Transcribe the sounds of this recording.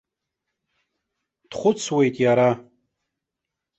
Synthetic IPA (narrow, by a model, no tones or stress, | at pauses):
d̥χʷʊt͡sʰwe̞jtʼjaɾa